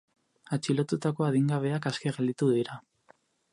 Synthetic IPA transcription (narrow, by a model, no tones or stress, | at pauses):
at͡ʃilot̪ut̪ako̞aðiŋɡaβ̞e̞akaskeɣeld̪it̪uðiɾa